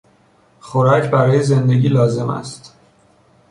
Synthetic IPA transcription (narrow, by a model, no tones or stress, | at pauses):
xoɾɒcʰbæɾɒːjeze̞nd̪e̞ɟiːlɒːze̞mæ̰st̪